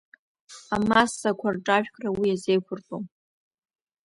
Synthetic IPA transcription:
amasakʷʰarʈ͡ʂʼaʒᶣkʰʼrawijazejkʷʰʊrtʼom

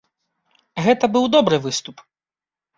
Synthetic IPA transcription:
ɣɛt̪ɐbɨwd̪ɔbɾɨvɨst̪up

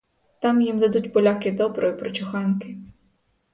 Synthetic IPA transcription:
t̪amjimd̪ad̪utʲbɔlʲakʲɪd̪ɔbɾɔjipɾɔt͡ʃʊxankɪ

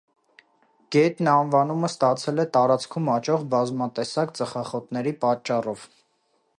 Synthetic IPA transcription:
ɡ̥ɛt̪nɑnvɑnuməst̪ɑt͡sʰɛlɛt̪ɑɾɑt͡skʰumɑt͡ʃʰɔʁbɑzmɑt̪ɛsɑkt͡səχɑχɔt̪nɛɾipɑt͡ʃːɑrɔv̥

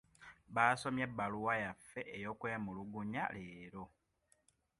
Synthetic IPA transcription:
βaːso̞mjebːaluwajafːe̞ʔejo̞kweːmuluɡuɲa̰leːɾo̞

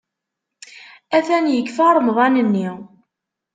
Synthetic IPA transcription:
æθænjəkːfɑɾˤmðˤɑnənːi

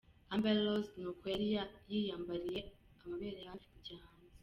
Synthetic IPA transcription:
ambeloznuːkwojaɾijajijaːmbaɾije̞ | amaβeːɾejaafi̥iɟahaːnze

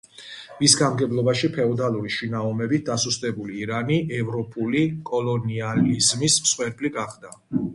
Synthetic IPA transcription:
visɡamɡɛblˠɔbaʃipʰɛɔd̪alˠuɾiʃinaɔmɛbit̪̚ʰd̪asust̪ʼɛbuliːɾaniʔɛvɾɔpʼulikʼɔlˠɔnializmismsχwɛɾpʼliɡaχd̪a

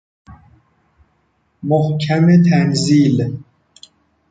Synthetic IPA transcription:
mohkʰæmet̪ʰænziːl

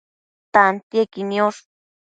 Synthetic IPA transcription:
t̪ant̪jekinioʂ

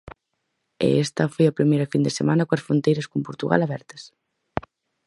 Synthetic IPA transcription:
ḛɛst̪ɐfojɐpɾimejɾɐfind̪esemanɐkoɐsfɾont̪ejɾɐskompoɾt̪uɣa̰laβɛɾt̪ɐ̥s

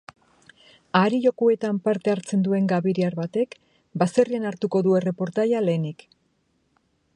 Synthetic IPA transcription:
aɾiʎo̞kue̞t̪ampaɾt̪e̞aɾt͡se̞nd̪ue̞ŋɡaβiɾiaɾβat̪e̞k | base̞rianaɾt̪uko̞ðue̞re̞po̞ɾt̪ajale̞ːnik

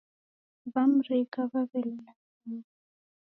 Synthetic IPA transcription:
βam̩rekaβaβɛlla | iː

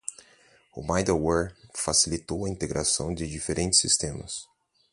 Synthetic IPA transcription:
ʊ̰majd̪awɛɾfasilit̪owɐĩt̪eɡɾʔasɐ̃w̃d̪ɪd͡ʒifeɾʔẽt͡ʃɪ̥sːist̪ẽmɐ̰s

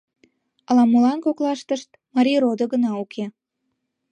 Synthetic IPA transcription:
ɑlɑmulɑnkoklɑʃt̪əʃt̪ | mɑɾʲiɾod̪oɣənɑukʰe

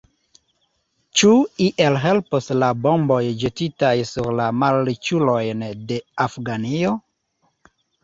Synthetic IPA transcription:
t͡ʃuiʔelɦe̞lposlabo̞mbo̞jd͡ʒetitajsuɾlamalːit͡ʃulo̞jnde̞afɡanio̞

